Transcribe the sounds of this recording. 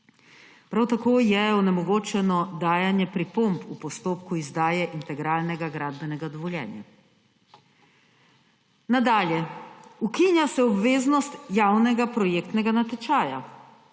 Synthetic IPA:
pɾawt̪akoːjɛɔnɛmɔɡoːt͡ʃɛnɔd̪aːjanjɛpɾipompupɔst̪oːpkuizd̪aːjɛʔint̪ɛɡɾaːlnɛɡaɡɾaːd̪bɛnɛɡad̪ɔʋɔljɛ̰ːnja̰ | nad̪aːljɛukinjasɛɔbʋeːznɔst̪jawnɛɡapɾɔjeːkt̪nɛɡanat̪ɛt͡ʃaːja

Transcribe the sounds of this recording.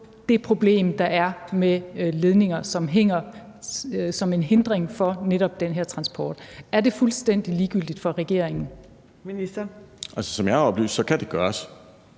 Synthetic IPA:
d̥e̝pʰʁo̝b̥le̝̰ːmd̥ɑ̈ʔæɐmele̝ð̞ˠne̝ŋɐsɒ̽mɦeŋ̰ɐ | sɒ̽me̝nɦe̝nd̥ʁeŋfɒ̽neɾɒ̽b̥̚d̥enɦeɐ̰t͡sʰʁɑ̈nsb̥ʰɒːd̥æɐd̥e̝fulsd̥en̰d̥iliːɡ̥yl̰d̥id̥fɒ̽ʁɛɡ̥e̝̰ɐ̰eŋn̩ | minisd̥ɐʔælsə̥sɒ̽mjäɪɒ̽b̥ly̰ːsd̥sɒ̽kʰæd̥e̝ɡ̥ɶːɐs

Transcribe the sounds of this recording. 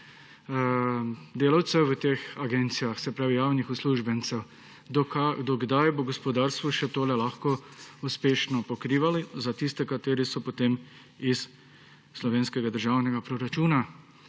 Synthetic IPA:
d̪eːlawt̪sɛʋət̪eːxaɡent̪sijaxsɛpɾaːʋijaːwnixusluːʒbɛnt̪sɛw | d̪ɔkad̪ɔɡd̪ajboɡɔspɔd̪aːɾst̪ʋɔʃɛt̪oːlɛlaxkɔuspeːʃnɔpɔkɾiːʋalizat̪ist̪ɛkat̪eːɾisɔpot̪eːm | isː | lɔʋeːnskɛɡad̪əɾʒaːwnɛɡapɾɔɾat͡ʃuːna

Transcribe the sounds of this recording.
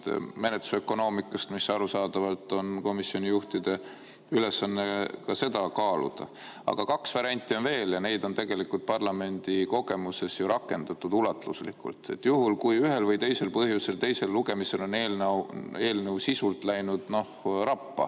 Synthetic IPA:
t̪me̞net̪u̥sø̞kːˑo̞no̞ːmikːˑɑst̪misɑɾusɑːd̪̥ɑvɑlt̪ːˑo̞nko̞misːio̞nʲijuht̪id̪̥e̞ | yle̞sːɑnːe̞kɑse̞d̪̥ɑkɑːlṵd̪̥ɑ̰ | ɑ̰ɡ̥ɑkɑksvɑɾɑnʲt̪ʲːˑionve̞ːljɑne̞jd̪o̞nt̪e̞ɡ̥e̞likːult̪̚pɑrlɑme̞nʲd̪̥iko̞ɡ̥e̞muse̞sjuɾʔɑkːˑe̞nd̪̥ɑt̪ːˑud̪̥ulɑt̪luslḭkṵlt̪e̞t̪ːˑjuɦulkujyɦe̞lvɤjt̪e̞jse̞lpɤhjuse̞lt̪e̞jse̞lːuɡ̥e̞mise̞lo̞neːlne̞ːlnəwsisult̪ˑlæjnud̪̥no̞hrɑpːɑ̰

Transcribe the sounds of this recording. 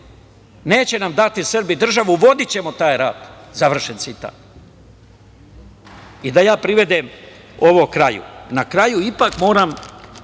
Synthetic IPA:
ne̞ːt͡ɕe̞namd̪at̪isɨr̩bid̪r̩ʒaʋuʋo̞d̪it͡ɕe̞mot̪aːjɾaːd̪zaʋr̩ʃent̪sit̪a̰t | id̪ajaːpɾiʋe̞d̪em | o̞ʋokɾajṵnakɾajuipakmo̞ːɾam

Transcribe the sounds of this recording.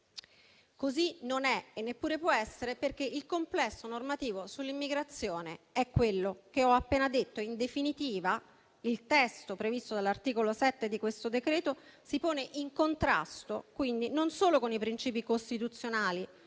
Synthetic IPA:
kozinonɛenːepːuːɾepwɔɛsːeɾeperk̟eʔilkomplɛsːonormat̪iːvosulːimːiɡɾat̪sːjoːneɛkːwelːokeɔapːeːnad̪et̪ːoind̪efinit̪iːva | ilt̪ɛst̪opɾevist̪od̪alːart̪iːkolosɛt̪ːed̪ikwest̪od̪ekɾeːt̪osipoːneʔiŋkont̪ɾa̰st̪okwind̪inonsoːlokonipɾint͡ʃiːpikost̪it̪ut̪sːjonaːli

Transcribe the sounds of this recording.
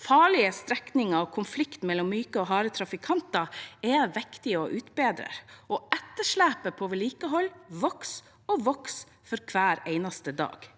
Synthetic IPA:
fɑːɭɪəst̪ɾɛknɪŋɑɔkʰʊnflɪkt̪mɛlːɔmːyːkəɔɦɑːɾət̪ʰɾɑfɪkʰɑnt̪ɑɛʋɛkt̪ɪɔʔʉːt̪beːd̪ɾə̰ɾʔɔːɛt̪ːəʂɭæːpəpʰoːʋɛliːkəɦɔlːʋɔks | ɔʋɔks | fɔɾkʰʋæːɾeɪnɑst̪əd̪ɑ̰ːɡ̥

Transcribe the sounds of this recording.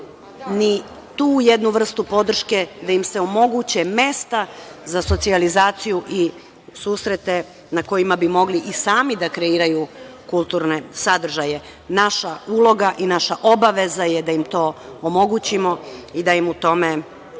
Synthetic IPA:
ni | t̪uːjed̪nuʋr̩st̪upo̞d̪r̩ʃke̞d̪ajimse̞o̞mo̞ɡut͡ɕe̞me̞st̪azaso̞t̪sializaːt̪sijuʔi | suːsɾet̪e̞ | nako̞jimabimo̞ɡliʔisaːmid̪akɾe̞iːɾajukulˠt̪uːɾne̞sad̪r̩ʒaje | naʃaulˠo̞ɡaʔinaʃaʔo̞baʋe̞zajed̪aimt̪o̞ːomo̞ɡut͡ɕimo̞id̪ajimut̪o̞me̞

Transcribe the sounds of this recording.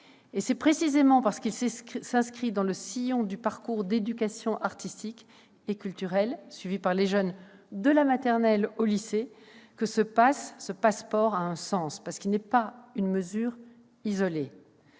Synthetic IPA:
esɛpχesizemɑ̃paʁsə̥kilssɛ̃skχid̪ɑ̃ləsijɔ̃d̪ypaʁkuʁd̪ed̪ykasjɔ̃ʔaʁt̪ist̪ik | ekʲylt̪yʁɛlsɥivipaʁleʒœn | d̪əlamat̪ɛʁnɛlolise | kəsəpasːəpaspɔʁaɛ̃sɑ̃spaʁsə̥kilnɛpaynməzyːʁ | izɔle

